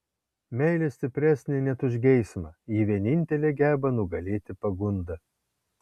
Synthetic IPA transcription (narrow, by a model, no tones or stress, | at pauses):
mʲɛɪlʲeːsʲt̪ʲɪpʲɾʲæːsʲnʲenʲɛt̪ʊʒʲɡʲɛɪsmɐiːʋʲiɛnʲɪnʲt̪ʲɛlʲeːɡʲæːbɐnʊɡɐlʲeːt̪ʲɪpɐɡʊnd̪ɐ